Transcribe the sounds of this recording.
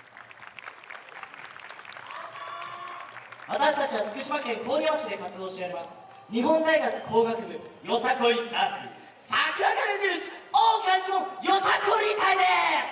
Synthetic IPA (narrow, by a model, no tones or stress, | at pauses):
βat̪aɕi̥t̪at͡ɕiβaɸɯ̟̥kɯ̟ɕimakẽ̞ŋko̞ːɲʲjoːɕid̪e̞kat͡sɨd̪o̞ːɕijaɾʲimasɨ̥ | ɲ̟iɦõ̞nd̪aiɡakɯ̟̥kʰo̞ːɡakɯ̟bɯ̟jo̞sakoɾʲisa | sakʲiaɡaɾed͡ʑiɾɯɕi̥oɡɯat͡ɕõjo̞sakoɾʲit̪aid̪e